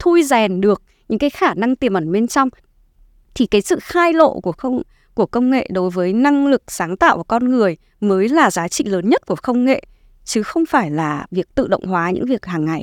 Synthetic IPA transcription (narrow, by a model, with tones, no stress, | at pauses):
t̪ʰu˧jzɛ˨˩nɗɨ˨˩ək̚ɲɨ̰˧˥ŋkaː˨˦jxaː˧˩na˧ŋt̪i˨˩əmʔə˧˩nɓe˧nt͡ɕɔ˧wŋ͡m | t̪ʰi˨˩kaː˨˦jsɨ̰˧˨xaː˧jlo̰˧˨ku˧˩əxə˧w | ku˧˩əkə˧wŋ͡mŋḛ˧˨ɗo˨˦jvəː˨˦jna˧ŋlɨ˨˩k̚saː˨˦ŋt̪a̰ː˧˨wʔa˨˩kɔ˧nŋɨ˨˩əj | məː˨˦jlaː˨˩zaː˨˦t͡ɕḭ˧˨ləː˨˦nɲə˦˥t̚ku˧˩əxə˧wŋ͡mŋḛ˧˨ | t͡ɕɨ˨˦xə˧wŋ͡mfaː˧˩jlaː˨˩vi˨˩ək̚t̪ɨ̰˧˨ɗə̰˧˨wŋ͡mɦwaː˨˦ɲɨ̰˧˥ŋvi˨˩ək̚haː˨˩ŋːa˨˩j